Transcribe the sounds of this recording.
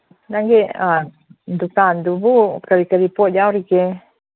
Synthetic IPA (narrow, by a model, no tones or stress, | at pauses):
naŋɡea | nd̪ukand̪ubukaɾikaɾipad͡ʒawɾike